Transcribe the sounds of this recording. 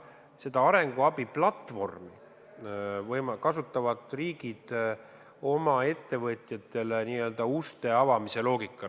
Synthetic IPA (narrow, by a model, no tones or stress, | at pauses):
se̞d̪ɑɑɾe̞ŋɡ̥uɑbiplɑt̪ːvo̞rmi | vɤjmɑkɑsut̪ˑːɑvɑd̪̥riːɡ̥id̪̥ | o̞mɑe̞t̪ːe̞vɤt̪ʲˑjɑt̪ːˑe̞leniːø̞ːld̪̥ɑust̪e̞ɑvɑmise̞lo̞ːɡikːˑɑ